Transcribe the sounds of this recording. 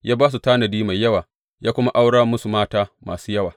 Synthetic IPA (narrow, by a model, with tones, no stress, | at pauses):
jaː˦baː˦s̬u˨taː˦nɐ˨diː˦ma˨jːɐ˦waː˨ | jaː˦kʷʊ˦ma˦ʔa˦wɽaː˦mʊ˦su˨maː˦taː˦ma̰ː˨suː˦jɐ˦waː˨